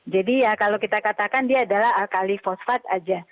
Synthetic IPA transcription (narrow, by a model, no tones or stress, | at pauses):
d͡ʒadijakalowkit̪akat̪akandiaːdalaɦkalifosfat̪̚a̰d͡ʒa